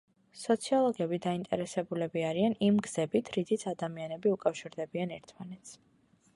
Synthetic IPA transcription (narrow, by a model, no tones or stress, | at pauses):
sɔt̪sʰiɔlˠɔɡɛbid̪aint̪ʼɛ̰ɾɛsɛbulɛbiaɾianimɡz̥ɛbit̪ʰɾit̪sʰit̪sʰad̪amianɛbiukʼafʃiɾd̪ɛbianɛɾt̪ʰmanɛt̪sʰ